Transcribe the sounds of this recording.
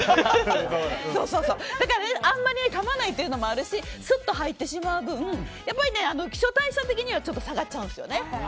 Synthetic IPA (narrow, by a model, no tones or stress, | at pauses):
so̞ːso̞ːso̞ːd̪̥akaɾaneʔãmːaɾʲiekamanait̪ːe̞jɯ̟nomo̞aɾɯ̟ɕisɨt̪ːo̞ɦait̪ːe̞ɕimaɯ̟bɯ̟̃japːaɾʲine̞ano̞kʲi̥ɕo̞t̪aiɕat̪e̞kʲiɲ̟iβat͡ɕo̞t̪ːo̞saɡat̚t͡ɕːaɯ̃nd̪sɨjo̞̰ne̞